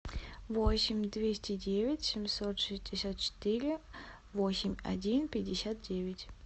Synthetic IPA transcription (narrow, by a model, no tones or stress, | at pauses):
vosʲɪmʲd̪vʲesʲtʲɪdʲevʲɪtʲsʲɪmsot̪ʂɨsʲdʲɪsʲat̪̚t͡ɕɪ̥t̪ɨɾʲɪ | vosʲɪmʲɐ̰dʲinpʲɪdʲːɪsʲat̪̚dʲevʲɪtʲ